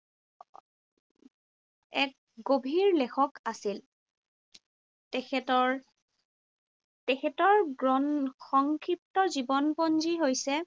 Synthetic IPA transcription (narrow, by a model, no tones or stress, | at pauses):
ɛk̚ | ɡobʱiɹlɛkʰɔkasil | tɛɛtɔɹ | tekʰɛtɔɹɔxɔŋkʰɹip̚tɔzibɔnpɔnziɦojsɛ